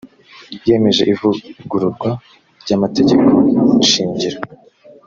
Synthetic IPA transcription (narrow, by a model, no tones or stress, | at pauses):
je̞me̞ʒe̞ʔivuɡuɾuɾɡwa | ɾɟamate̞ɟe̞ko̞niʃiːɲɟiɾa